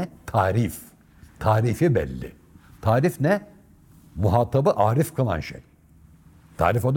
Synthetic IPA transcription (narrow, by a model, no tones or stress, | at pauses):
t̪ʰaːɾif | t̪ʰaːɾifibɛ̰lʲːɪ̰ | t̪ʰaːɾifnɛ | muɦaːt̪ʰabɯʔaːɾifkʰalˠa̰nʃḛj | t̪ʰa̰ːɾifod̪